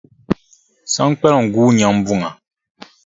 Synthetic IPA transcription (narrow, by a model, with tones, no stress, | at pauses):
sã˦ŋ˦k͡pɛ˦lɔ˨ŋ̩˨ɡuː˦ɲã˨m˦bu˦˨ŋa˨